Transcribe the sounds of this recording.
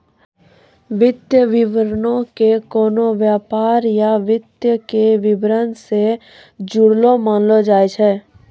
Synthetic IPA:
ʋɪd̪jəʋɪʋəɾnõkekoːnoʋjaːpaːɾjaʋɪd̪jəkeʋɪbɾənse | d͡ʒʊɽlomaːnlod͡ʒaːet͡ʃʰɛː

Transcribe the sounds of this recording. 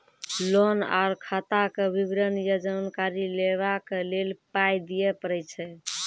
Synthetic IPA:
lona̰ɾkʰat̪akebibɾənjəd͡ʒənkaɾileβakelelpajd̪ijɛpəɾɛjt͡ʃʰɛ

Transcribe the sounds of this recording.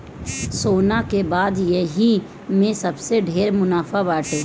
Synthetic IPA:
soːnakebaːd̪jeɦi | mẽsəbseɖʱeːɾmʊnaːfʰabaːʈʰeː

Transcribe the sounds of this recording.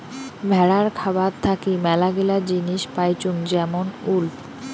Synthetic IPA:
bʱɛɽaɾkʰabatt̪ʰːakimɛlaɡelad͡ʑiniʃpajt͡ɕuŋd͡ʑɛmonulp

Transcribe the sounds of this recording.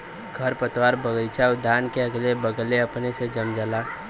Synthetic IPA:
ɡʱəɾpət̪waːɾbəɡəɪt͡ʃʰaʊd̪ʱːankeəɡlebəɡleəpnesed͡ʒəmd͡ʒəla

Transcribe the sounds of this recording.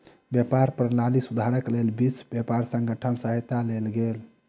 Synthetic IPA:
bjəpaɾpɾnalisud̪ʱaɾəklelbisbjepaɾsə̃ŋɡəʈʰənsəɦt̪alelɡel

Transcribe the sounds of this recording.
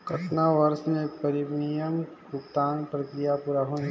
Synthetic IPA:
kɐʈnaʋɐɾsnẽpɐɾibnijəmɡʊkt̪aːnpɾɐkɾijapuːɾaɦon

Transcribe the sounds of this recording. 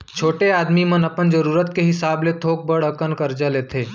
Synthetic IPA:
t͡ʃʰoːʈeaːd̪mimənɐpənd͡ʒəɾuːɾət̪̚keɦɪsaːblet̪ʰoːk̚bəɽəkənkəɾd͡ʒaleːt̪ʰeː

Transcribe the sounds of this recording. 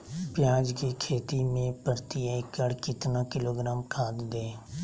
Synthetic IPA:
pɪjaːd͡ʒkikʰeːt̪imẽpəɾt̪iaɪkəɽkɪt̪naːkɪloːɡɾaːmkʰaːd̪d̪eː

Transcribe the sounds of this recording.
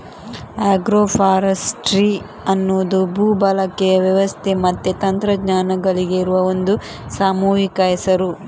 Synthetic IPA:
aːɡɾoːpʰaːɾɐsʈɾi | ɐnːoːd̪ubʱuːbɐlɐkːejɐʋjɐʋɐst̪ʰemɐt̪ːet̪ɐnt̪ɾɐɡɲaːnɐɡɐɭiɡeiɾuʋɐond̪u | saːmuːɦikɐjisɐɾu

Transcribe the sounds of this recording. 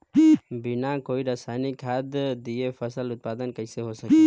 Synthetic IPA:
binãkoːiɾasaːnikʰaːd̪d̪iefʰəsəlʊt̪̚paːd̪ənkəɪseɦosəke

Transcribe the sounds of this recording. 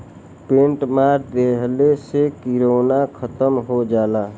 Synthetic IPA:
pẽɳʈmaːɾd̪eɦlesekiɾoːnakʰət̪əmɦod͡ʒaːla

